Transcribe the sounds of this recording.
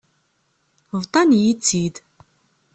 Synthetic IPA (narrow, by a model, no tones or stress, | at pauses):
vt̪ˤɑnjit͡sːid̪